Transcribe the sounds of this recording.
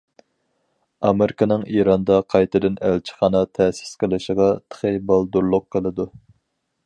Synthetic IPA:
ɑmeɾɪkʰɑnɨŋiɾɑnd̪ɑqʰɑjt̪ʰɨd̪ɨnælt͡ʃʰɪ̥χɑːnɑt̪ʰɛsɪ̥sqʰəlˠɨʃəʁɑt̪ʰə̥χebɑlˠd̪uɾlˠʊqʰːəlˠɨd̪u

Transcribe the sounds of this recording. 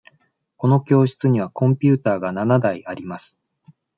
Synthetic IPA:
ko̞no̞kʲo̞ːɕi̥t͡sɨɲ̟iβ̞akõ̞mpʲɨːt̪aːɡananad̪aiaɾʲimasɨ̥

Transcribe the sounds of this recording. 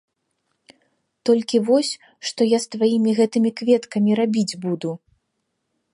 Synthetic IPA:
t̪ɔlʲkʲivɔsʲ | ʂt̪ɔjast̪vajimʲiɣɛt̪ɨmʲikvʲɛt̪kɐmʲiɾabʲid͡zʲbud̪u

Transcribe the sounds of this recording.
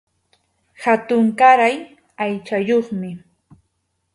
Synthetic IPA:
hat̪ʊŋkaɾaj | ajt͡ʃajoχmɪ

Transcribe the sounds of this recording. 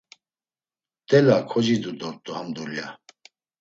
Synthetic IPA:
t̪ʼɛlakʰɔd͡ʒid̪ud̪ɔɾt̪ʼuhamd̪ulja

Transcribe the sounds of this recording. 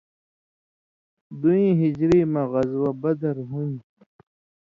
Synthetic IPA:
d̪uĩːɦid͡ʑɾiːmãɣɐzwabɐd̪ɐɾɦũn

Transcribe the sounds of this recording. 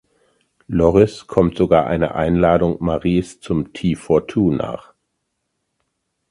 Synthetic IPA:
lɔʁɪskʰɔmtz̥oɡaːɐʔa̰ɪnə̰ʔa̰ɪnlaːdʊŋmaʁiːst͡sʊmtʰiːfɔɐtʰuːna̰ːχ

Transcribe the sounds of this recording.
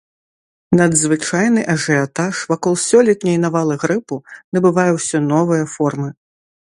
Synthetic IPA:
nɐd̪zvɨt͡ʂajnɨʔɐʐɨat̪aʂvakɔlˠsʲɔlʲɛt̪nʲɛjnavalˠɨɣɾɨpunɐbɨvajɛwsʲɔnɔvɨjɐfɔrmɨ

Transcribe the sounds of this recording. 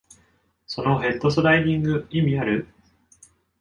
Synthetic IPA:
so̞no̞ɦẽ̞t̪ːo̞sod̪aiɲʲĩŋɡɯ̟imʲiaɾɯ̟

